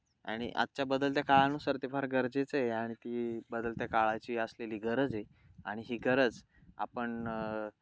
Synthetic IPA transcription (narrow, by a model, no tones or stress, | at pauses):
a̰ɽ̃ḭʔa̰t̪ːt͡ɕabəd̪əlt̪jakaɭanusəɾt̪ifaɾɡəɾd͡zet͡səjeaɽ̃it̪ibəd̪əlt̪jakaɭajt͡ɕiːəsleliːɡʱəɾəd͡zje | a̰ɽ̃iɦiːɡʱəɾəd͡z | a̰pəɳ